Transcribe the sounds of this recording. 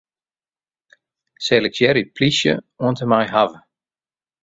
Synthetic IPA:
sɛləksjɛɾipʰlisjə̰ | uəntəmajɦavə

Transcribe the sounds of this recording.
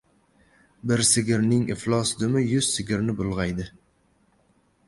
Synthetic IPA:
bɪɾsɪɡʲɪɾnɪŋɪ̰flˠɒsd̪ʊmɪjʊz̥sɪɡʲɪɾnɪbʊlˠʁɑjd̪ɪ

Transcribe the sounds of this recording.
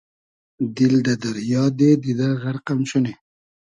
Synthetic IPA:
d̪ild̪ɐd̪ɐɾjɑːd̪ed̪id̪ɐɾɣɐɾqɐmɕune

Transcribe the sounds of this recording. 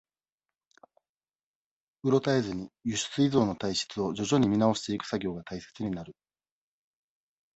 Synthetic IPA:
ɯ̟ɾo̞t̪aezɨɲ̟ijɯɕɨ̥t͡sɨizo̞ːno̞t̪aiɕi̥t͡sɨo̞d͡ʑo̞ʑo̞ɲ̟imʲinao̞ɕi̥t̪e̞ikɯ̟̥saɡʲo̞ːɡat̪aise̞̥t͡sɨɲ̟inaɾɯ̟

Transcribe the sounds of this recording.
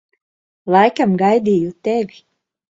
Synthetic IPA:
lˠajkamɡajd̪iːjut̪evʲi

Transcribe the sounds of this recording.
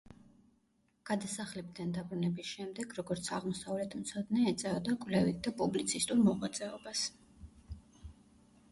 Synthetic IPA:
ɡ̥ad̪asaχlɛbd̪and̪abɾunɛbisʃɛmd̪ɛɡɾɔɡɔɾt̪sʰaʁmɔsavlɛt̪ʰmt̪sʰɔd̪nɛːt̪sʼɛɔd̪akʼvlɛvit̪̚ʰd̪apʼublit̪sʰist̪ʼuɾmɔʁwat̪sʼɛɔbas

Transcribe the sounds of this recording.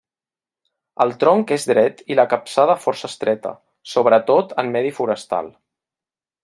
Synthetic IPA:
əlˠt̪ɾɔŋkezdɾɛt̪iləkəpsað̞əfɔrsəst̪ɾʔɛt̪ə̰ | soβ̞ɾət̪ot̪əmːɛðifuɾəst̪a̰lˠ

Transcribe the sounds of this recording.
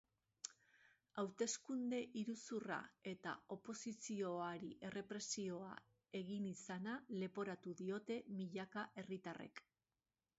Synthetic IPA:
awt̪e̞skund̪e̞ʔiɾusura̰e̞t̪a̰o̞po̞sisio̞aɾiʔe̞re̞pɾe̞sio̞a̰ | e̞ɣinisanale̞po̞ɾat̪uðio̞t̪e̞miʎakaʔe̞rit̪are̞̰k

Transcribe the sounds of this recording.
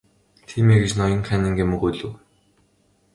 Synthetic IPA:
t̪ʰiːmeːɡĕt͡ɕnɔjɞ̆ŋχænɘ̆ŋɡʲemɵɣuːɮɵ̆w

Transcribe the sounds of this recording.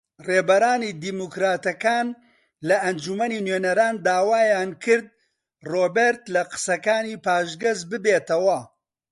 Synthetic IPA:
reːbɐɾaːniːd̪iːmukɾaːt̪ɐkaːn | lɐʔɐnd͡ʒumɐninweːnɐɾaːnd̪aːwaːjaːnkʰɨɾd̪̚ | roːbeɾt̪lɐqɨ̥sɐkaːniːpaːʒɡɐzbɨbeːt̪ɐwɐ

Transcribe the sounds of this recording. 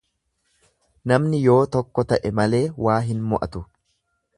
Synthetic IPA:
nɐmnɪjo̞ːt̪ɔkːɔt̪ɐʔɛmɐle̞ːwaːɦɪnmɔʔɐt̪ʊ

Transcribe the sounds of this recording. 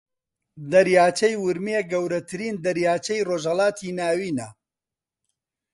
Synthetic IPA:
d̪ɐɾjaːt͡ʃɐjwʊɾmeɡɐwɾɐt̪ʰɨɾiːnd̪ɐɾjaːt͡ʃɐjroːʒhɐlˠɑːt̪ʰiːnaːwiːnɐ

